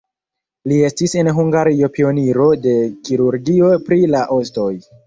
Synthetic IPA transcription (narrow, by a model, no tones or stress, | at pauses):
lie̞stise̞nɦuŋɡaɾiopio̞niɾo̞de̞kiɾuɾɡio̞pɾilaʔosto̞j